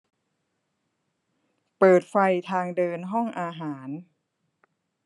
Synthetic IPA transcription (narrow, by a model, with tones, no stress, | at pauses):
pɤː˨˩t̪̚fa˧jt̪ʰaː˧ŋdɤː˧nɦɔ˥˩ŋʔaː˧ɦaː˩˦n